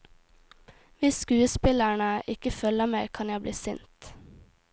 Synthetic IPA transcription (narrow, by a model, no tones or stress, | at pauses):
ʋɪsskʉːəspɪlæɳəʔɪkəfœləmeːkʰɑnjæɪbliːsɪ̰nt̪